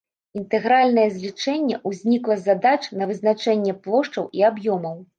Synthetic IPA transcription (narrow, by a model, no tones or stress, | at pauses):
int̪ɛɣɾalʲnɐjɛzʲlʲit͡ʂɛnʲːɛʔuzʲnʲiklˠɐzad̪at͡ʂnɐvɨzn̪at͡ʂɛnʲːɛplˠɔʂt͡ʂɐwʔiabjɔmɐw